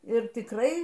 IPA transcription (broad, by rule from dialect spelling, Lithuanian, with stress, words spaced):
ɪr tʲɪkˈrɐɪ